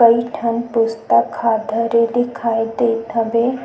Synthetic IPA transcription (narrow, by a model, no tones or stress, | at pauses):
əiʈʰənpʊst̪əkʰːaːd̪ʱəɾed̪ɪkʰaːid̪eːt̪ʰəbe